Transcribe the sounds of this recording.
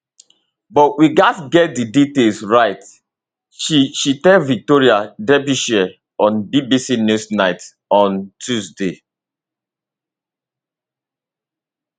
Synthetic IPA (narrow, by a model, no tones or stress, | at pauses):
bɔtwiɡatɡɛt̚diditelsɹaɪt | ʃiʃitɛvik̚toɹiadɛbiʃɛ | ɔ̃nbibisinusnaɪt | ɔ̃ntʰusde